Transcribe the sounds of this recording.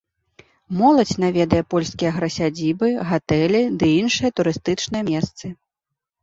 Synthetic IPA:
mɔlˠɐt͡sʲnavʲɛd̪ɐjɛpɔlʲskʲijɐɣɾɐsʲad͡zʲibɨɣat̪ɛlʲid̪ɨinʂɨjɐt̪uɾɨst̪ɨt͡ʂnɨjɐmʲɛst̪sɨ

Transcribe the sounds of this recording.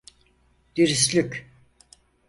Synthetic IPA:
d̪̥iɾis̬lʲykʲ

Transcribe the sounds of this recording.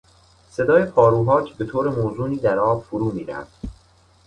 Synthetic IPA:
se̞d̪ɒːjepʰɒːɾuːɦɒːcʰbe̞t̪ʰoːɾe̞moːzuːniːd̪æɾɒːbfoɾuːmiːɾæ̰fd̪̥

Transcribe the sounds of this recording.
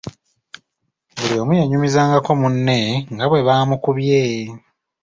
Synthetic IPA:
βulio̞ːmujaɲumizaːŋɡako̞munːe̞ŋɡaβwe̞βaːmukuβjeː

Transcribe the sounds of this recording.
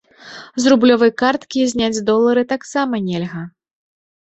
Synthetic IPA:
zrublʲɔvɐjkart̪kʲizʲnʲad͡zʲd̪ɔlˠːɐɾɨt̪aksamɐnʲɛlʲɣɐ

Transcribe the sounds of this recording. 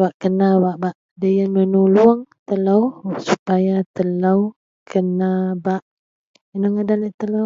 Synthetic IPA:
baʔkənawaʔbaʔ | dəjanmənuluəŋt̪əlawsupajat̪əlaw | kʰənabaʔ | inoŋadaləʔt̪əla

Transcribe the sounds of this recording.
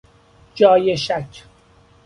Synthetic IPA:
d͡ʒɒːjeʃæcʰ

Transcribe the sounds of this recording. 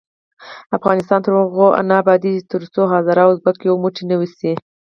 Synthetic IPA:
afɣɑnɪst̪ɑnt̪əɾməɣoʔa̰nɑbɑd̪it̪əɾt͡soɦɑzaɾɑwzbakejomuʈinəwisi

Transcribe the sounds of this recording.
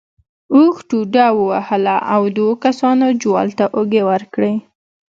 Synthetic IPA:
uxʈuɖawəwahəlaʔawd̪wokasɑnod͡ʒwɑ̰lt̪aʔoɡewəɾkɽe

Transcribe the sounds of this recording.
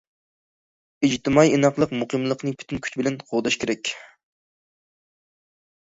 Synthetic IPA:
id͡ʒt̪ɨmɑjinɑqlˠəqmuqɨmlˠəqnɨpʰy̥t̪ʰynkʲʰy̥t͡ʃbɪlɛnqʰoʁd̪ɑʃkʲeɾɛkʲ

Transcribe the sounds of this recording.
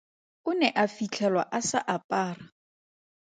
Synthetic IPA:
ʊnɛʔafit͡ɬʰɛlwa̰ʔasaʔapʼaːra

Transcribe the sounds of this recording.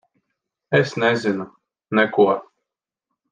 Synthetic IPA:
ɛsnɛzʲinu | nɛkuɔ

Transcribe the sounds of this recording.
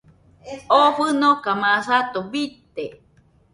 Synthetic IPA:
oɸɨnokamãsat̪oβit̪e

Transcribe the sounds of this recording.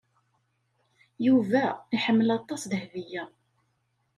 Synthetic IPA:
juvæiħəmːəlɑt̪ˤːɑsðəhvijæ

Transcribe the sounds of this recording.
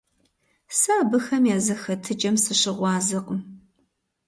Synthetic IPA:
saːbɨxɐmjaːzɐxɐtʰɨd͡ʒʼɐmsɨɕɪʁʷɑːzɨqʼəm

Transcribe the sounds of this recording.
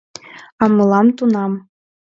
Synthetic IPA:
ɑmɤlˠɑmt̪unɑm

